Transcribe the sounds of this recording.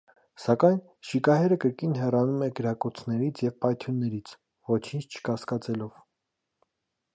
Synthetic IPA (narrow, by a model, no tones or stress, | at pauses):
sɑkɑjn | ʃikɑɦɛɾəkəɾkinɦɛrɑnumɛɡəɾɑkɔt͡sʰnɛɾit͡sʰjɛvpɑjt̪ʰjunːɛɾit͡sʰ | vɔt͡ʃʰint͡ʃʰt͡ʃʰə̥kɑskɑt͡sɛlɔv̥